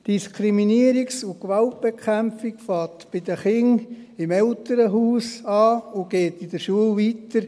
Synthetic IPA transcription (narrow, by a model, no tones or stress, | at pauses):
d̥iskʰɾiminiəɾiksʊkʋɑlt̚b̥ekʰχæmfikfɑːtb̥ɪd̥̪əχɪŋ | ɪmɛltəɾəɦuːsɑːʊɡ̥ɛːtɪdəɾʃuəlʋitəɾ